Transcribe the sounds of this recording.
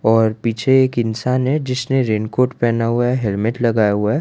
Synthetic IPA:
ɔːɾpiːt͡ʃʰeeːkɪnsaːnɦɛ̃d͡ʒɪsneɾeːnkoːɾʈpɛːnaɦuaɦɛɦɛlmɪʈlɐɡaːjaɦʊa

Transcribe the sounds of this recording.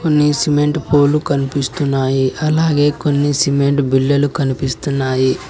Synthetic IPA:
ko̞nːisime̞ɳʈpo̞ːlukɐnipist̪unːaːjiʔɐlaːɡe̞ːko̞nːisime̞ɳʈbilːɐlukɐnipist̪unːaːji

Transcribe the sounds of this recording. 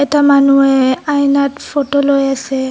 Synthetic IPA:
ɛtamanueajnatfotolɔjase

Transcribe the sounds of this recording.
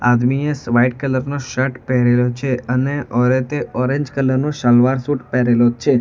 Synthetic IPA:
a̰d̪miesʋaiʈ̚kələɾnoʃəʈpɛɦɾelot͡ʃʰeəneɔɾet̪eʔɔɾẽɲd͡ʒkələɾnoʃalʋaɾsuʈpɛɾelot͡ʃʰe

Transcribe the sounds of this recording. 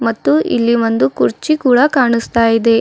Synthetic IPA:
mɐt̪ːuḭlːiʋo̞nd̪ukuɾt͡ʃikuːɽɐkaːɳust̪aːjid̪e̞

